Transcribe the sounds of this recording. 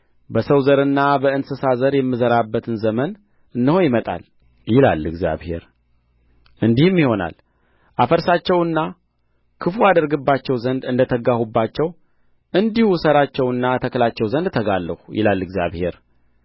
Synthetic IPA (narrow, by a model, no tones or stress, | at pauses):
bəsəwzəɾɨnːabəɨnsɨsazəɾjɛmːɨzəɾabːət̪ʰɨnzəmən | ɨnːɨho̞jɪmət̪ʼa̰l | jɪla̰lɨ̰ɡzja̰βhe̞̰ɾ | ʔɨnd̪ihɨmːjiho̞na̰l | ʔafəɾsat͡ʃːɛwɨnːa | kʰɨfuad̪əɾɡɨbːat͡ʃːɛwzənd̪ɨnd̪ət̪ʰəɡahubːat͡ʃːɛw | ʔɨnd̪ihusəɾat͡ʃːɛwɨnːat̪ʰəklat͡ʃːɛwzənd̪t̪ʰəɡalːəhujɪ̰lalːɨɡzja̰βhe̞ɾ